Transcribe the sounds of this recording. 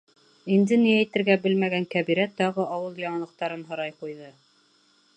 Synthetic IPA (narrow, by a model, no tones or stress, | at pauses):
ind̪ɘniæjt̪ɘ̆ɾɡæbɘlmæɡæŋkæβiɾæt̪ːɑʁɤʔɑwɤlˠjɑɴɑnlˠɤ̆q̚t̪ɑɾɤnɦŏɾɑjqujðɤ